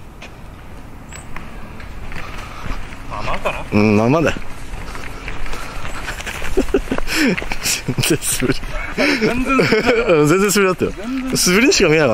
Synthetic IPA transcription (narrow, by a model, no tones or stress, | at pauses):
ɯ̃mamad̪e | z̥enz̥esɨbɯɾʲi | ɯ̃zẽnd͡zẽsɨbɾid̪at̪ːajo̰sɨbɯ̟ɾʲiɲɕikamʲinaka